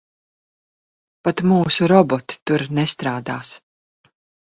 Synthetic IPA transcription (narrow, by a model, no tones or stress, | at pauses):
pat̪muːsuɾɔbɔt̪i̥t̪uɾnɛst̪ɾaːd̪a̰ːs